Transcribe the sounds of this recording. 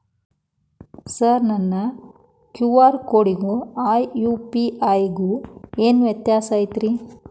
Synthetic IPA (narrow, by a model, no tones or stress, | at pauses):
sɐɾnɐnːɐ | kjuʋaːɾkoːɽiɡuaːjjuːpiʔaːjɡuːeːnuʋjɐt̪jaːsaːjt̪ɾi